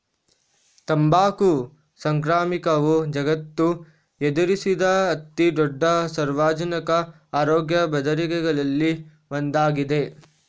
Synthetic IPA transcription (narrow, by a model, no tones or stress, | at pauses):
t̪ɐmbaːku | sɐŋkɾaːmikɐʋud͡ʒɐɡɐt̪ːu | ed̪uɾisid̪ɐɐt̪ːid̪ɔɖːɐsɐɾʋaːd͡ʒɐnɐkɐ | aːɾoːɡjɐbɐd̪ɐɾikɛɡɐɭɐlːi | ʋond̪aːɡid̪e̞